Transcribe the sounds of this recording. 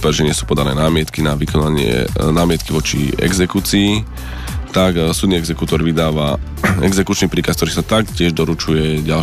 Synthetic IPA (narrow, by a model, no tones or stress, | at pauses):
pɛɾʒɛɲɪɛsu̥ːpɔd̪anɛːnaːmɪɛt̪kinaʋikɔnaɲɪɛ̰naːmɪɛt̪̚kiʋɔt͡ʃḭɛ̰ɡzɛkut͡sii | t̪aksud̪niɛɡzɛkut̪ɔɾʋid̪aːʋa | ɛ̰ɡzɛkut͡ʃnipɾiːkask̚t̪ɔɾiːsat̪ak̚cɪɛʒd̪ɔɾut͡ʃujɛɟal